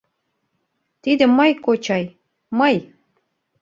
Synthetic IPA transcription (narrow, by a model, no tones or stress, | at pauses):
t̪id̪ə̆mɤjkot͡ɕɑj | mɤj